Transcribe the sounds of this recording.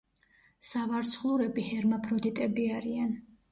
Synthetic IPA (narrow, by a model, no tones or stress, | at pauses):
savaɾt̪sʰχlˠuɾɛbihɛɾmapʰɾɔd̪it̪ʼɛbiaɾian